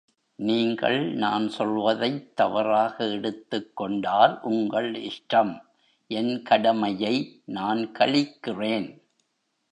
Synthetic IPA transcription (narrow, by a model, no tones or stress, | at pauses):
niːŋɡɐ̰ɭnaːnsɔlʋɐðɐɪt̪ːɐʋɐɾaːɣɐɛɽɯt̪ːɯkːɔɳɖaːɾʔʊŋɡɐɭɪʂʈɐm | ʔɛnkɐɽɐmɐjɐɪnaːnkɐɭɪkːɪreːn